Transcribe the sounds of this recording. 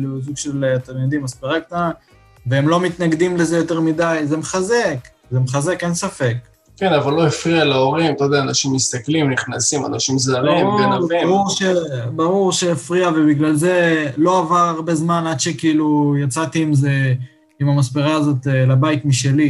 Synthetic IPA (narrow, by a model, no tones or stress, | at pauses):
luzuɡʃelat̪amid̪imaspeʁakt̪a | veemlo̞mit̪naɡd̪imlezejo̞t̪eʁmid̪ajzemeχaze̞k | zemeχaze̞kensafe̞k | kenavalːo̞efʁialaoʁimt̪ajod̪eaːnaʃimːist̪aklimniχnasimanaʃimzaʁibaʁuʁʃebaʁuʁʃeːfʁiavebiɡlalze̞lo̞avaʁaʁbezmanad̪ʃekiilujat͡sat̪iːmze | imamaspeʁaːzo̞t̪elabajt̪miʃe̞li